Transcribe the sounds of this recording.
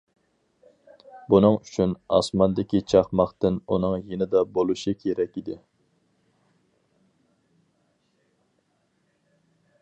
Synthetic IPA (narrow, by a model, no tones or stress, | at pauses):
bunɨŋyt͡ʃʰynɑ̰smɑnd̪ɪkʲit͡ʃʰɑχmɑχt̪ɨnunɨŋjenɪd̪ɑbolˠuʃikʲʰeɾɛkʲid̪ɪ